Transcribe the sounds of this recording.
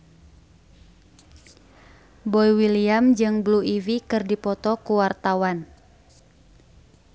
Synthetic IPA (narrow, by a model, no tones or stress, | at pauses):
bɔjwiliamd͡ʒɨŋbluivikɨrdipɔt̪ɔkuwart̪awan